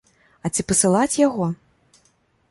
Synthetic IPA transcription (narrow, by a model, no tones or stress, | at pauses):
ɐt͡sʲipɐsɨlˠat͡sʲjaɣɔ